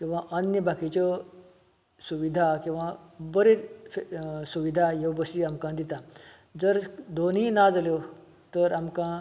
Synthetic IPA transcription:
kĩw̃ʋaʔənjəbʱakit͡ɕɔ | suʋid̪ʱakĩw̃ʋãbəɾefsuʋid̪ʱajewbəsiamkãd̪it̪a | d͡zəɾd̪onɦĩːnad͡zəljo | t̪əɾamkã

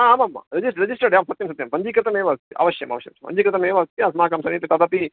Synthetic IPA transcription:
aaːmamːa̰ɾɐd͡ʒisʈɾed͡ʒisʈɐɾɖjaːmsɐt̪jɐmsɐt̪jɐmpɐɲd͡ʒiːkɾɪt̪ɐmeːʋast̪iʔa̰ʋɐʃjɐma̰ʋɐʃjɐ̰mt͡ʃpɐ̰ɲd͡ʒiːkɾɨt̪ɐmeːʋaːt̪iãsmaːkamsɐniːt̪it̪at̪aːpi

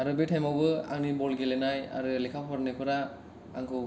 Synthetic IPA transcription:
aɾɯbetʰajmawbɯa̰ŋnibɔlɡelɛnaja̰ɾɯlikʰapʰaɾnɯkʰɯɾa | aŋkʰɯ

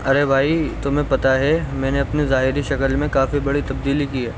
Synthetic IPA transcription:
ɐɾebʱaːit̪ʊmẽpɐt̪aɦɛmɛ̃ːneɐpnizaːɦɪɾiʃɐkəlmẽkaːfibɐɽit̪ɐb̚d̪iːlikiɦɛː

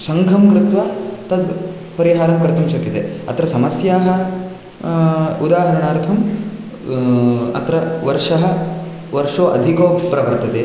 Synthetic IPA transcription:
sɐŋɡʱɐmkɾɪt̪ʋaːt̪ɐd̪ | pɐɾiɦaːɾɐmkɐɾt̪ɐmʃɐkːit̪ḛɐ̰t̪ɾɐsɐmɐsjaːɦɐ | ud̪aːɦɐɾɐɳaːɾt̪ʰɐm | ɐ̰t̪ɾɐʋɐɾʂɐɦɐ | ʋɐɾʂoːʔɐ̰d̪ʱikoːbɾɐbɐɾt̪ɐt̪e

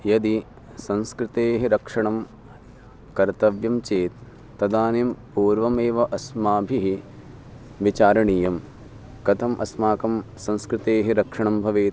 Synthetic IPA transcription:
jɐd̪i | sɐ̃nskɾɪt̪eːɦiɾɐkʂɐɳɐm | kɐɾt̪ɐʋjɐmt͡ʃeːt̪ː | ɐd̪aːnempuːɾʋɐmeːʋɐʔɐsmaːbʱiɦi | ʋit͡ʃaːɾɐɳijɐm | kɐt̪ʰɐmʔɐ̰smaːkɐmsɐ̃nskɾɪt̪eːɦiɾɐkʂɐɳɐmbʱɐʋeː

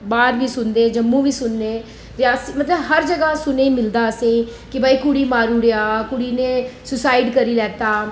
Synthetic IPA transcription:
baːɾʋiːsʊnd̪eːd͡ʒəmːũːʋiːsʊnːeː | ɾɪjaːsiːmət̪ləbɦəɾd͡ʒəɡaːsʊnẽːmɪld̪aːəsĩːkɪbəːiːkʊɽiːmaːɾuːɽeaːkʊɽiːneːsʊsaːɪɖkəɾiːlɛːt̪aː

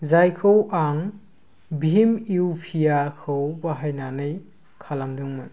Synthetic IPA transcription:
zajkʰɯwʔan | bʱimiwpʰijakʰɯwbaɦajnanɯj | kʰalamdɯŋmɯn

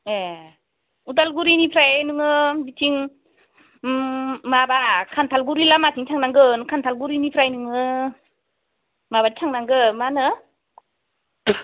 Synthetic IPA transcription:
e | udalɡuɾinipʰɾajnɯŋɯbitʰiŋ | mabakʰant̪ʰalɡuɾilamatʰiŋt͡ʃʰaŋnaŋɡɯnɯkʰant̪ʰalɡuɾinipʰɾajnɯŋɯ | mabat͡ʃʰaŋnaŋɡɯmanɯ

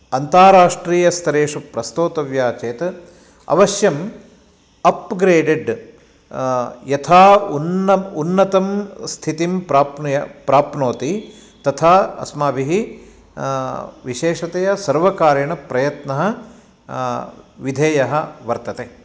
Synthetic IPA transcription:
ɐnt̪aːɾaːʂʈɾiːjɐst̪ʰɐɾeːʂupɾɐst̪oːt̪ɐʋjaːt͡ʃeːt̪ | ɐ̰ʋɐʃjɐm | ɐpɡɾeːɖeɖ | jɐt̪ʰaːnɐunːɐt̪ɐmst̪ʰit̪impɾaːpnjɐpɾaːpnoːt̪i | t̪ɐt̪ʰaːɐ̰smaːʋiɦi | ʋiʃeːʂɐt̪ejɐsɐɾʋɐkaːɾjɐɳɐpɾɐjɐt̪nɐɦɐ̆ | ʋid̪ʱeːjɐɦɐʋɐɾt̪ɐt̪eː

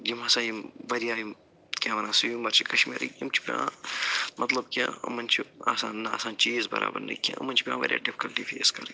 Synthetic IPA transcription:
d͡ʒimɐsãːjimʋɐɾjaːjim | kʲãːʋɐnaːsujmɐɾt͡ʃʰikɐʃmḭːɾḭkimt͡ʃʰi̥pʲã | mʔɐt̪lɐbkʲãɐmɐnt͡ʃʰiaːsaːnːɐaːsaːnt͡ʃiːzbɐɾa̰ːbɐɾnɐ̰kʲã̰ɐmːɐnt͡ʃʰi̥pʲãːʋɐ̰ɾʲja̰ːɖipʰi̥kɐlʈiːfʰeːskɐɾ

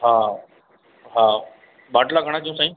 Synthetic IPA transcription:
ɦa | ɦa | baʈlaɡʱəɽ̃akiũsaɦĩ

